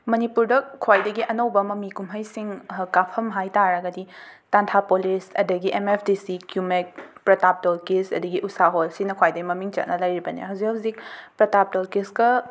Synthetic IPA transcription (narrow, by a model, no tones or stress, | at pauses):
mɐnipuɾdɐkʰwajdɐɡiʔɐnɐwbɐmɐmikumɦɐjsiŋkapʰɐmɦajtaɾɐɡɐditantʰapolisɐ̰dɐɡiʔemepʰdisikjumek̚pɾɐtap̚tolkesɐ̰dɐɡiʔusaɦolsinɐkʰwajdɐɡimɐmiŋt͡ʃɐ̰t̚nʔɐlɐjɾibɐnḭɦɐwzikhɐwzik̚pɾɐtap̚tolkiskɐ